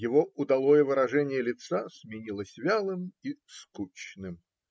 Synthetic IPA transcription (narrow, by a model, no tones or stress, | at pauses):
jɪvoʊd̪ɐlˠojəvɨɾɐʐɛnʲɪjəlʲɪt̪sasmʲɪnʲilˠəsʲvʲalˠɨmiskut͡ɕnɨm